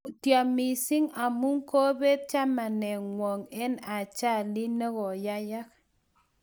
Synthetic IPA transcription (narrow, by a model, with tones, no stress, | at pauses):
tja˨mi˨sɪ˦ŋa˨mu˦ŋko˦be˦t̚t͡ʃa˦ma˨nɛ˨ŋwɔ˨ŋɛ˦na˨t͡ʃa˦˨li˦ne˦ɣɔ˨ja˦ja˦k